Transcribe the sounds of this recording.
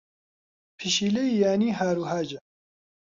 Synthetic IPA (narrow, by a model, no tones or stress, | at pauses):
pʰiʃiːlejjaːniːɦaːɾuːɦaːd͡ʒɛ